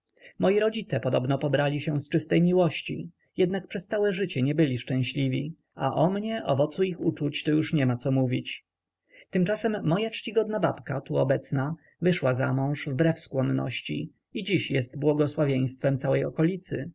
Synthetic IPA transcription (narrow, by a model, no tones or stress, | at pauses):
mɔjiɾɔd͡ʑit̪sɛpɔd̪ɔbnɔpɔbɾalʲiɕɛst͡ʂɘst̪ɛjmʲiwɔɕt͡ɕi | jɛd̪nak̚pʂɛst̪sawɛʐɘt͡ɕɛɲɛbɘlʲiʂt͡ʂɛ̃w̃ɕlʲivʲi | aʔɔmɲɛʔɔvɔt̪suixut͡ʂut͡ɕt̪ɔjuʂɲɛmat̪sɔmuvʲit͡ɕ | t̪ɘmt͡ʂasɛmːɔjat͡ʂt͡ɕiɡɔd̪naba̰pkat̪uɔbɛt̪sna | vɘʂwaza̰mɔ̃w̃ʂvbɾɛfskwɔnːɔ̰ɕt͡ɕḭ | id͡ʑiɕjɛst̪bwɔɡɔswavʲjẽj̃st̪fɛmt̪sawɛjɔkɔlʲit̪sɘ